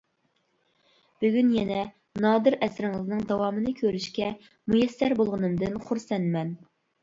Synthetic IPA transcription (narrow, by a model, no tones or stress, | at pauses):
b̥yɡʲynjɛnɛ | nɑːd̪ɨɾɛsɾɪŋɨznɨŋd̪ɑwɑːmɨnɨkʲʰøɾyʃkʲɛ | mujɛsːæɾbolˠʁənɨmd̪ɨnχʊɾsɛnmɛn